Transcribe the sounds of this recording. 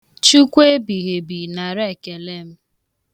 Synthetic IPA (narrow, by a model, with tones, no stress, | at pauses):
t͡ʃu˦kʷe˦bi˨ɣe˨bi˨na˨ɾe˦˨ke˨le˦m̩˦